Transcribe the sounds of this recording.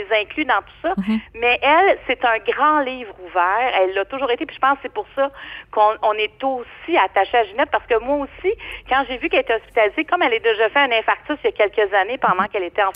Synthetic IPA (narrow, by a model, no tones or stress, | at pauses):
ezɛ̃klyd̪ɑ̃t̪u̥sɔmɛʔɛlset̪œ̃ɡʁɑ̃liːvʁuvɛːʁɛlːɐt̪ʊʒuːʁet̪epiʒ̥ə̥pɑ̃sːɛpʊʁsʌkɔ̃ɔ̃nɛt̪osiat̪aʃeaʒynɛt̪̚paʁ̥sə̥kəmwaosikɑ̃ʒevykɛlet̪ɛɔspʲi̥t̪alizekɔmɛled̪eʒafɛɛ̃nɛ̃faʁt͡sɪsjakʲɛlkʲəzanepɑ̃d̪ɑ̃kɛlet̪ɛɑ̃